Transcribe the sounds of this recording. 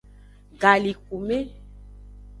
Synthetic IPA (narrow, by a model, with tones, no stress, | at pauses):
ɡa˨li˨k̚u˨me˦